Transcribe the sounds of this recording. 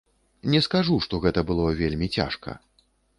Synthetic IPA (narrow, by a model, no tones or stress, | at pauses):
nʲɛskaʐuʂt̪ɔɣɛt̪ɐbɨlˠɔvʲelʲmʲit͡sʲa̰ʂkɐ̰